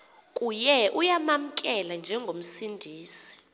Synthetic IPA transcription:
kʼujɛʔujamam̩kʼɛland͡ʒʱɛŋɡʱom̩sindʱiːsi̥

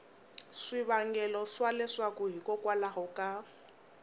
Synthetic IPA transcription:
ʂiβaŋɡɛlɔswalɛʂwakuɦikɔkwalaɦɔka

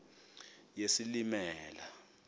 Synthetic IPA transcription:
jesilimɛːla

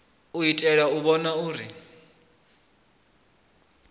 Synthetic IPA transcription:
uitʼɛɺauβɔnauːɾi

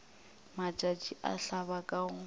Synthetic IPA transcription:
mat͡ʃʼat͡ʃʼiʔa̰ɬaβakʼaʊ

